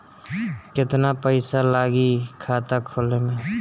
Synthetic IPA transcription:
kɪt̪napəɪsalaːɡikʰaːt̪akʰoːlemẽ

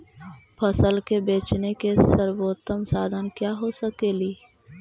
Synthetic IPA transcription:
pʰəsəlkebeːt͡ʃnekesəɾboːt̪əmsaːd̪ʱənkjaːɦosəkeːliː

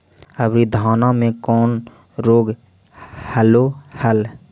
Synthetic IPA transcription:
əbɾid̪ʱaːnamẽkɔːn | ɾoːɡ | həlohəl

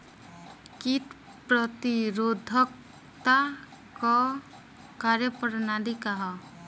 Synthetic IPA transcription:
kit̪ | pɾɔt̪iɾod̪ʱɔk̚ | t̪a | kɔ | kaɾjəpəɾnalikaɦɔ

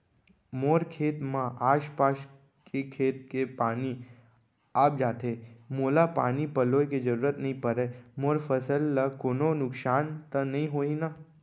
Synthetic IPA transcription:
moɾkʰet̪mãʔaːʃpaʃ | kekʰet̪̚kepani | ap̚d͡ʒaːt̪ʰemolapa̰nipəlojked͡ʒəɾuːɾət̪nəɦĩpəɾemoːɾfəsəlːəkoːnonʊksant̪ənəɦĩɦoina

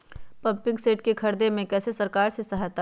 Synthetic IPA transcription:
pɐ̃mpɪ̃ŋɡseːʈ̚kekʰɐɾd̪emẽkɛːsesɐɾkaːɾsesɐɦɛt̪a

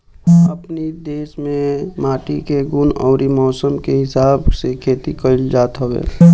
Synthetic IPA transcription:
əpnid̪eːsmẽmaːʈikeɡʊnɔːɾimɔːsəmkeɦɪsaːbsekʰeːt̪ikəɪld͡ʒaːt̪ɦəbḛː

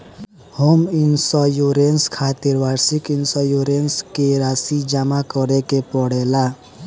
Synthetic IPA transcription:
hominsajuɾenskʰat̪iɾʋaɾsikinsajuɾenskeɾaːsid͡ʒamakɔɾekepɔɽela

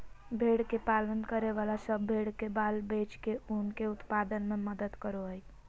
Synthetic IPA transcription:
bʱeɽkepalənkəɾeʋalasəbʱeɽkebalbet͡ʃkeunkeut̪pad̪ənmeməd̪əd̪kəɾoɦəj

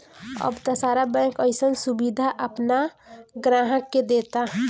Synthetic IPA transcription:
ə̰bt̪əsaːɾabɛ̃kəɪsənsubid̪ʱaʔəpnaɡɾaːɦəkːed̪eːt̪aɦ

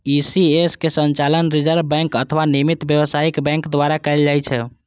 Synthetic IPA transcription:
isieskesənt͡ʃalənɾid͡ʒəɾbbɛ̃ŋkət̪ʰəʋanimit̪bjəwəsaikbɛ̃ŋkd̪aɾakɛɪld͡ʒajt͡ʃʰɛ

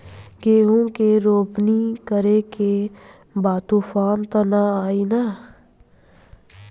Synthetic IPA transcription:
ɡeːɦõkeɾoːpnikəɾeke | baːt̪ufʰaːnt̪ɐnaaːina

